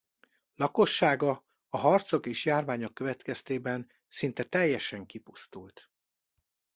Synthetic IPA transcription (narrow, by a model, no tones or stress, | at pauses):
lɒko̞ʃːaːɡɒ | ɒɦɒrt̪so̞keːʃjaːrvaːɲo̞kːøvɛt̪kɛst̪eːbɛn | sint̪ɛt̪ɛjːɛʃɛŋkipust̪ult̪